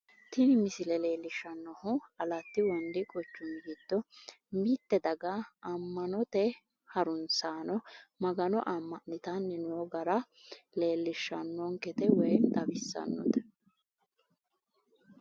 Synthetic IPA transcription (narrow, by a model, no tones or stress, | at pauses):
t̪ʰɪnɪmɪsɪlɛle̞ːlːɪʃːɐnːɔhʊɐlɐt̪ːɪwɔnd̪ɪkʼɔt͡ʃːʊnɡiːd̪̥ːɔ | mit̪ːɛd̪ɐɡaɐmːɐnɔt̪ɛ | hɐɾʊnsaːnɔmɐɡɐnɔʔɐmːɐnɪt̪ɐnːɪnoːɡɐɾɐ | le̞ːlːɪʃːɐnːɔŋkɛt̪ɛwɛjnt̪ɐbɪsːɐ̰nːɔ̰t̪ɛ̥